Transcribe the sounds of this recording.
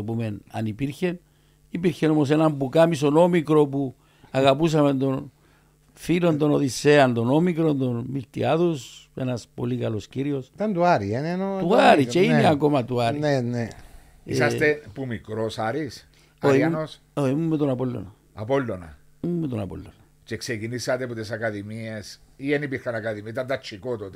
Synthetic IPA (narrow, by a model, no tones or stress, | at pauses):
opumena̰nipiɾçen | ipiɾçenomos̬enambukamisonomikɾop̬u | aɣapus̬amend̪on | filond̪onoðiseand̪onomikɾond̪onmilt̪ḭaðusenaspo̰likaloskiɾiost̪and̪uaɾienenot̪uaɾit͡ʃeineakomat̪uaɾinene | isast̪epumikɾosaɾis | oianos | oimumːet̪onapolːo̰na | a̰polːona̰ | mːet̪onapo̰lːona | t͡ʃeksekinisat̪eput̪esakaðimiesienipikanakaðimit̪̬at̪at͡ʃikot̪ot̪